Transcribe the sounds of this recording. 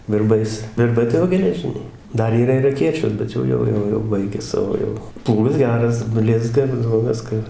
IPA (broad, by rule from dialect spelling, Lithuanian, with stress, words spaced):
ʋʲɪrˈbɐɪs ʋʲɪrˈbɐɪ tɐɪ ˈjoː ɡʲɛlʲɛˈʒʲɪnʲɛɪ ˈdɐr iːˈrɐ ɪr ɐˈkʲeːt͡ʃʲoːs bʲɛt ˈjɛʊ ˈjɛʊ ˈjɛʊ jɛʊ ˈbɐɪɡʲɛ ˈsɑːʋoː jɛʊ ˈplˠuːɡɐs ˈɡʲæːrɐs ˈbʲlʲɪzɡɐ ɪr jɛʊ ˈʋʲɪskɐ